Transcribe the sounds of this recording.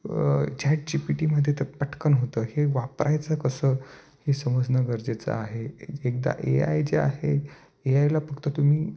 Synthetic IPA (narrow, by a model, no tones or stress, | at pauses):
t͡ɕaʈ̚d͡ʑipiʈiməd̪ʱjet̪əɾpəʈkənɦot̪əːheʋapɾʔajt͡sakəsə | hesəməd͡znəɡəɾd͡ʑet͡sa̰aɦeek̚d̪a̰ʔea̰jd͡ʑea̰ɦe | eajlafəkt̪ət̪um̤iː